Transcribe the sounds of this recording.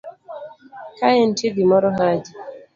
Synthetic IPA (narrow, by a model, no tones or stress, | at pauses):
kajɛntidimɔɾɔɦad͡ʒi